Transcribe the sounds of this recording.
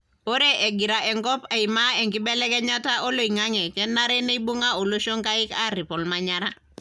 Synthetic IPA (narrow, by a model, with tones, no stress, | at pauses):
o˦ɾeʔe˨ɡiɾa˨ʔɛ˨ŋkɔ˦pa˨imae˨ŋki˦bɛ˦lɛ˦kɛ˦ɲa˦ta˦ʔo˦lo˨iŋaŋɛ˨kɛ˦nːaɾe˦ne˦ibu˦ŋao˨lo˦ʃo˦ŋkai˦ka˦ɾi˨pɔ˨lmaɲaɾa˦